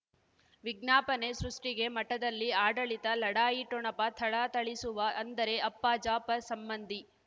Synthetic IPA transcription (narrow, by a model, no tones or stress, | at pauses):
ʋiɡnaːpɐne̞sɾuʂʈiɡe̞mɐʈːɐd̪ɐlːiaːɖɐɭit̪ɐlɐɽaːjiʈɔɳɐpɐt̪ʰɐɭat̪ɐɭisuʋɐʔɐnd̪ɐɾe̞ɐpːaːd͡ʒaːpɐsɐmbɐnd̪ʱi